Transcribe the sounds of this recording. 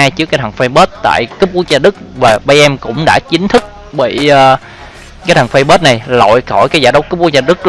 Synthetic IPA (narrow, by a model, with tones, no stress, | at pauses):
aː˧jt͡ɕɨ˦˥kːaː˦t̪ʰə˨˩ŋfə˧jɓəː˦˥t̚t̪a̰ː˧˨jkɨ˦˥p̚ku˦˥k̚zaː˧ɗɨ˦˥k̚vaː˨˩ɓaː˧jʔɛ˧mkʊ̰˧˥ŋ͡mɗa̰ː˧˥t͡ɕï˨˦ŋ̟t̪ʰɨ˦˥k̚ | ɓḭ˧˨ʔː | ka˨˦jt̪ʰə˨˩ŋfə˧jɓəː˦˥t̚na˨˩jlo̰˧˨jkɔ˧˩jkaː˨˦jzaː˧˩ɗə˦wkɨ˦˥p̚ku˦˥zaː˧˩ɗɨ˦˥k̚